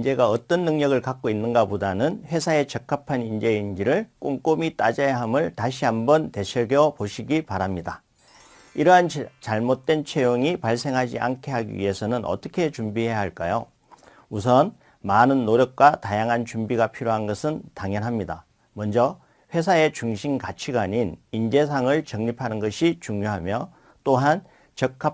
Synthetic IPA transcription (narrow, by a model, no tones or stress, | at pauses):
ind͡ʑe̞ɡaʌt͈ʌnːɯŋɲʌɡɯɭkak̚k͈oinːɯnɡapodanɯnɸwe̞sʰae̞t͡ɕʌk͈ʰapʰanind͡ʑe̞ind͡ʑiɾɯɭk͈oŋk͈omit͈a̰d͡ʑajaɦamɯɭtaɕʰiambʌnte̞ɕʰʌɡjʌpoɕʰiɡipaɾamɲida | iɾʌɦant͡ɕaɭmot̚t͈we̞nt͡ɕʰejoŋipaɭs͈ʰe̞ŋɦad͡ʑḭʔa̰nkʰe̞ɦaɡḭɥḭɦe̞sʰʌnɯnʔʌ̰t͈ʌkʰe̞t͡ɕumbiɦe̞jaɦaɭk͈ajo | us̬ʰʌn | manɯnːoɾjʌk̚k͈watajaŋɦant͡ɕumbiɡapʰiɾjoɦanɡʌsʰɯntaŋjʌnɦamɲida | mʌnd͡ʑʌ | ɸwe̞sʰae̞t͡ɕuŋɕʰinkat͡ɕʰiɡaɲinind͡ʑe̞s̬ʰaŋɯɭt͡ɕʌŋɲipʰanɯnɡʌɕʰit͡ɕuŋɲoɦamjʌ | t͈oɦan | t͡ɕʌkʰːa